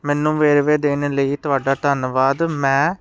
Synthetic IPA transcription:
mɛːnːũːʋeːɾʋeːd̪eːneːləiːt̪ʊaːɖaːt̪ənʋaːd̪mɛ̃ː

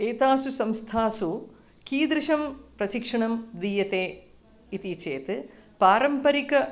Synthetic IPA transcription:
eːt̪aːsusɐmst̪ʰaːsu | kiːd̪ɾɨʃɐmprɐʃikʂɐɳɐmd̪iːjɐt̪eː | it̪it͡ʃeːt̪ɨpaːɾɐmpɐɾikɐ

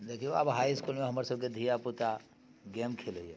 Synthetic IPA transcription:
d̪eːkʰioa̰ːpɦaːiskuːlmẽɦɐməɾsəb̚ked̪ʱijaput̪a | ɡɛ̃ːmkʰeːleiḛ

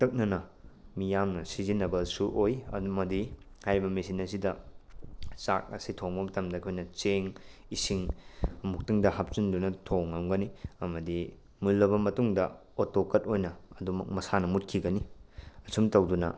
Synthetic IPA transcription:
tɐk̚nɐnɐmijamnɐsizinːɐbɐsuʔojmɐdi | hajɾibɐmesinɐsidɐ | t͡ʃa̰k̚ɐ̰sitʰoŋbɐmɐtʰɐmdɐkʰojnɐt͡ʃeŋisiŋɐmuk̚tiŋdɐhap̚t͡ʃundunɐtʰoŋːɐmɡɐniɐmɐdi | mulːɐbɐmɐtuŋdɐ̰ | otokɐt̚ojnɐːdumɐk̚mɐsanɐmut̚kʰiɡɐniɐsʰumtɐwdunɐ̰

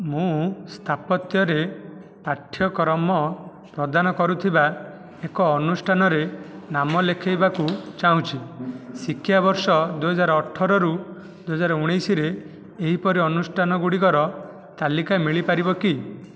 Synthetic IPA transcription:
mũst̪ʰapɔt̪jɔɾepaʈʰːjɔkɔɾɔmɔ | pɾɔd̪anɔkɔɾut̪ʰiba | ekɔːnusʈʰanɔɾenamɔlekʰajbakut͡ʃaɦũt͡ʃʰisikʰːjabɔɾsɔd̪uɦɔd͡ʒaɾɔːʈʰːɔɾɔɾu | d̪uɦɔd͡ʒaɾɔuɽ̃ejsiɾeː | ɦipɔɾiɔnusʈʰanɔɡuɽikɔɾɔ | t̪alikamiɭipaɾibɔki

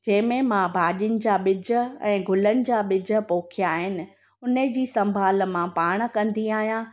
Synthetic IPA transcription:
d͡ʑɐ̃ɦɪ̃mẽmãbʱaːʄiʊnɪ̆d͡ʑaːɓɪd͡ʑə̆ɛ̰̃ːɡʱʊlənɪ̆d͡ʑaːɓɪd͡ʑʱə̆poːkʰijaːɦɪnɪ̆ | ʊnəd͡ʑiːsɐ̃mbʱaːl̆mãpaːɽ̃̆kɐ̃nd̪iaːɦijã

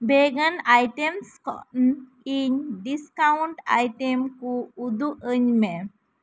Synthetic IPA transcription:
beɡanajʈemskɔ̰n | iɲɖiskauɳʈa̰jʈemkuːd̪uʔəɲme

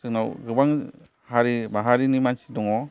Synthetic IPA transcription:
sʰɯnawɡɯbaŋ | haɾibaɦaɾinimansi̥dɔŋɔ

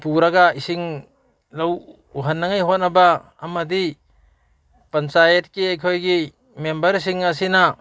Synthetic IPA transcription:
puɾɐɡaisiŋ | lɐw | uɦɐnːɐŋajɦot̚nɐbaː | mɐdi | pɐnsajet̚kiɐjkʰojɡi | membɐɾs̬iŋɐs̬inɐ

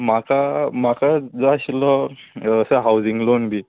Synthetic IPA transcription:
makamakad͡zɔɕlɔəsəɦawd͡ziŋɡlonbʱi

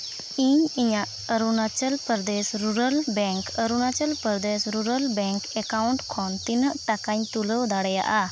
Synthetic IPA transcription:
iɲiɲaʔ | əɾunat͡ʃəlpəɾd̪esɾuɾəlbɛŋkəɾunat͡ʃəlpəɾd̪esɾuɾəlbɛŋkɛkawɳʈkʰɔnt̪inəʔʈakaɲt̪uləwd̪aɽɛja̰ʔa

